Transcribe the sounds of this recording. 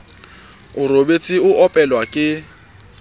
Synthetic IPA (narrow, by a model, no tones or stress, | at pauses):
ʊrobet͡sʼɪʊʔɔpʼɛlwakʼɪ